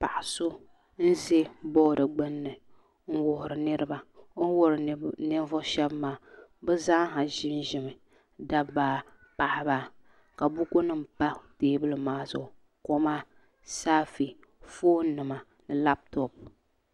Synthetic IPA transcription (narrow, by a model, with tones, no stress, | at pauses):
pa˨ʔa˨so˦ | n̩˦ze˦bɔː˦dɨ˨ɡ͡bɨ˦nːɨ˨ | ŋ̩˦wʊ˨hʊ˨ɾɨ˨nɨ˦ɾɨ˦ba˦wʊ˦ɾɨ˨˦nɛ˦vʊ˦ʃɛ˦bmaː˦bɛ˦zaː˦ɦa˨ʒɪ˦n˦ʒɪ˨mɨ˨ | da˦baː˨ | pa˨ʔɪ˦ba˦ | ka˨bʊ˦ko˦nɨ˦mpa˦teː˨˦bɨ˦lɨ˦maː˦zʊ̰˨ʔʊ˨ | ko˦maː˦ | saː˦fi˨ | foː˦nɨ˨ma˨ | nɨ˨la˦p̚tɔ˨p̚